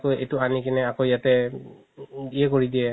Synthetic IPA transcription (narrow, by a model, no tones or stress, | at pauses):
koḛjtuanikinɛakojatɛ | diɛkoɹidijɛ